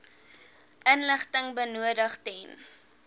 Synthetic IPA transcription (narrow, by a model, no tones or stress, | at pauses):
ʔənləχtəŋbənuədəχtɛn